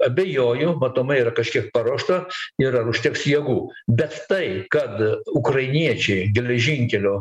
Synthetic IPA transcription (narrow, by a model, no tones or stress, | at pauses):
ɐbʲejoːjʊmɐt̪oːmɐiːɾɐkɐʃʲkʲiɛk̚pɐɾoːʃt̪ɐiɾɐɾʊʃʲt̪ʲɛːksjiɛɡuːbʲɛt̪t̪ɐɪkɐt̪ʊkrɐɪnʲiɛt͡ʃʲɛɪɡʲɛlʲɛʒʲɪŋʲkʲɛlʲoː